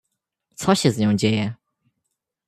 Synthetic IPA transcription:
sɔɕɛzɲɔ̃w̃d͡ʑejɛ

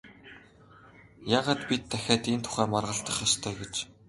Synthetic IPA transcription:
jaːʁaːt̪pʲit̪ʰːæxʲaːt̪ent̪ʰʊ̥χæːmɔrʁə̆ɬt̪ə̆χast̪ʰœːɡet͡ɕ

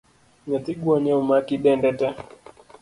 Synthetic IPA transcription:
ɲat̪iɡuaɲaumakiɗɛndɛtɛ

